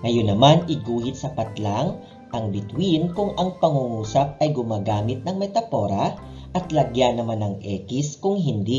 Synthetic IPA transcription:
ŋɐjonːɐmanɪɡuːhɪt̪̚sɐpɐt̪laŋ | ʔɐŋbɪt̪winkʊŋʔɐŋpɐŋuŋuːsɐp̚ɐjɡʊmaːɡaːmɪt̪̚nɐŋmɛt̪ɐpo̞ːɾɐ | ʔɐt̪lɐɡjanɐmanɐŋʔɛːkɪskʊŋɦɪnd̪i

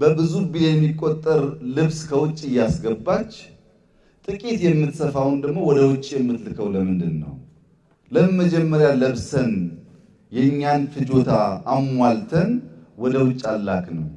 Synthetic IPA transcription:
bəbɨzubijɛmːikʼːot̪ʼːəɾlɨβskʰəwʊt͡ʃʼːɨjːasɡəbːat͡ʃː | t̪ʼɨkʼit̪jɛmːɨt̪səfawund̪əɡmo̞wɔd̪əwʊt͡ʃʼːjɛmːɨt̪lɨkʰəwləmɨnd̪ɨnːə̰w | ləməd͡ʒɛmːəɾjaləβsən | jɛɲːanfɨd͡ʒo̞t̪ʰaːmwalt̪ʰənwɔd̪əwʊt͡ʃʼːalːa̰knəw

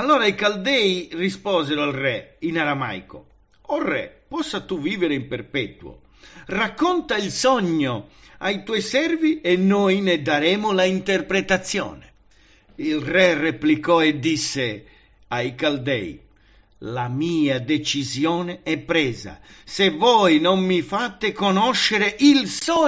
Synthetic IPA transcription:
alːɔːɾaikald̪ɛːjrispɔːzɛɾoalrɛinaɾama̰jko̰ | ɔrːɛ̰pɔsːat̪uviːveɾeimperpɛt̪uo̰ | rakːɔnt̪ailsɔɲːo | ajt̪wɔjsɛrviɛnːoːjned̪aɾɛːmʊlaint̪erpɾet̪at̪sːjɔ̰ːnɛ | ilrɛreplikɔed̪ːisːe | ajkald̪ɛ̰j | lamiːad̪et͡ʃizjɔːneɛpːɾɛːza̰sevɔːjnommifat̪ːekonɔʃːeɾeʔilsɔ

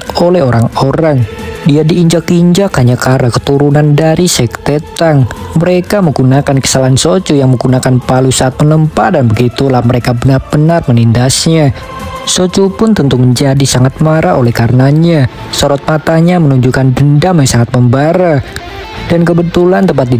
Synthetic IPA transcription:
olɛɦoɾaŋoɾaŋdiadiːɲd͡ʒakiɲd͡ʒakhaɲakaɾakət̪uɾunandaɾisɛkt̪et̪aŋməɾekaməɡunakankə̥salansot͡ʃɔjaŋməɡunakanpalusaʔːt̪̚mənəmpatdanbəɡit̪ulahməɾekabənarbənarmənindasɲa | sot͡ʃopʊnt̪ənt̪ʊməɲd͡ʒadisaŋat̪̚maɾʔaolɛhkaɾənaɲa | soɾɔt̪̚mat̪aɲamənuɲd͡ʒukandəndamjasaŋat̪̚məmbaɾa | dankəbət̪ulant̪əmpat̪̚di

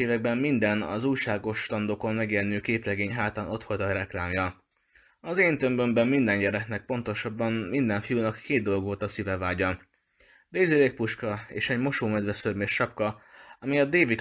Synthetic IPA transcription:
eːvɛɡ̚bɛmːind̪ɛnɒ̰zuːjʃaːɡo̞ʃt̪ɒnd̪oko̞nmɛɡelnøːkeːprɛɡeːɲɦaːt̪aːnʔo̞t̪fo̞lt̪ɒɾɛklaːmjɒ | ɒzeːnt̪ø̞mbø̞mbɛmːind̪ɛɲɟɛɾɛknɛk̚po̞nt̪o̞ʃɒbːɒmmind̪ɛɱfijunɒkːeːd̪̚d̪o̞loɡʋo̞lt̪ɒsivɛvaːɟɒ | d̪eːzileːk̚puʃkɒeːʃɛɟmo̞ʃoːmɛd̪ʋɛsørmeʃʃɒpkɒɒmijɒd̪eːvik

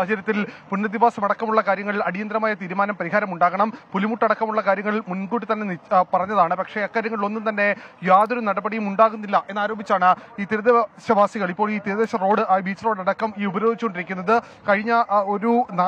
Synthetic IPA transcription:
ɐd͡ʑɐɾjɐt̪ːilpunːɐd̪iʋaːsɐmɐɽɐkːɐmuɭːɐkaːɾjɐŋːɐɭilɐɽijɐnd̪ɾɐmaːjɐt̪iːɾumaːnɐmpɐɾiɦaːɾɐmuɳɖaːɣɐɳɐmpulimuʈːɐɽɐkːɐmuɭːɐkaːɾjɐŋːɐɭimunɡuːʈːit̪ɐnːenpɐrɐɲːɐðaːɳɨpɐkʂe̞ɐkːaːɾjɐŋɐɭiɭo̞nːumt̪ɐnːe̞jaːðo̞ɾunɐɽɐbɐɽijumuɳɖaːɣunːilːɐʔe̞nːaːɾo̞ːbʱit͡ɕːaːɳɨiːt̪iɾɐðeɕɐʋaːsiɣɐɭipːo̞ːɭiːt̪iɾɐðeːɕɐro̞ːɽɨabiːt͡ɕːro̞ːɽɐɽɐkːɐmiːubɐɾo̞ːd̪it͡ɕːukoɳɖiɾikʲːunːɐðɨ | kɐɻiɲːɐo̞ɾuna

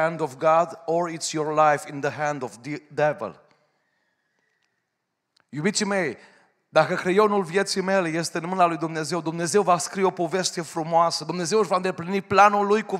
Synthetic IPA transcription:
nd̪ofɡad̪oɾit̪sjorlajfinðəɦæ̃nd̪ovd̪ɛvḛl | jubit̪sime̞j | d̪akəkɾe̞jo̞nulvje̞t̪sijme̞le̞je̞st̪e̞ɨnmɨnalujd̪umne̞ze̞wd̪umne̞ze̞wvaskɾio̞po̞ve̞ʃt̪e̞fɾumoasəd̪umne̞ze̞wɨʒvaɨnd̪e̞pliniplanulːujku

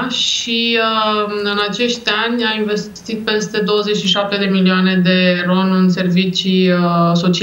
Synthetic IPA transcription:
ʃiəɨnat͡ʃe̞ʃt̪ʲanʲainve̞s | t̪it̪̚pe̞st̪e̞d̪o̞wəzet͡ʃʃiʃap̚t̪e̞d̪e̞milioane̞d̪e̞ro̞nɨnse̞rvit͡ʃiəso̞t͡ʃi

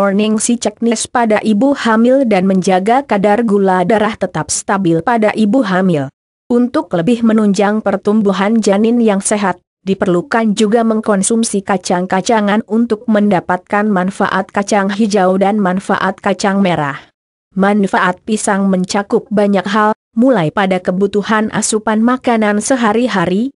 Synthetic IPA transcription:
ɔrnɪŋsit͡ʃɛk̚nɪspadaʔibuhamɪldanməɲd͡ʒaɡakadarɡuladaɾaht̪ət̪ap̚st̪abɪlpadaʔibuɦamɪl | ʔunt̪ʊk̚ləbɪhmənuɲd͡ʒaŋpərt̪umbuɦand͡ʒanɪnjaŋseɦat̪̚ | dipərlukand͡ʒuɡaməŋkɔnsumsikat͡ʃaŋkat͡ʃaŋanunt̪ʊk̚məndapat̪̚kanmanfa̰ʔat̪̚kat͡ʃaŋɦid͡ʒawdanmanfa̰ʔat̪̚kat͡ʃaŋmeɾa̰h | mannfaʔat̪̚pisaŋməɲt͡ʃakʊp̚baɲak̚ɦal | mulajpadakəbut̪uhanʔa̰supanmakanansəɦaɾiɦaɾi

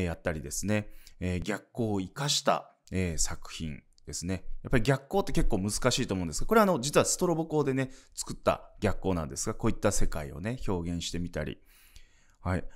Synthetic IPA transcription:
jat̪ːaɾʲid̪e̞sɨne̞eːɡʲakːo̞ːikaɕi̥t̪a̰ | eːsakɯ̟̥çḭ̃n | d̪̥e̞sɨne̞jjapːaɾʲiɡʲakːo̞ːt̪ːe̞ke̞kːoːmɯ̟zɨ̥kaɕiːt̪omo̞ɯ̃nd̪esɨ̥ɡako̞ɾe̞ano̞d͡ʑit͡sɨβasɨ̥t̪o̞ɾo̞boko̞ːd̪e̞ne̞t͡sɨ̥kɯ̟̥t̪ːa̰ɡ̥ʲakːo̞ːnã̰nd̪e̞sɨɡako̞ːit̪ːase̞kaḭo̞̰ne̞ço̞ːɡẽɰ̃ɕi̥t̪e̞mʲit̪a̰ɾʲḭ | hai

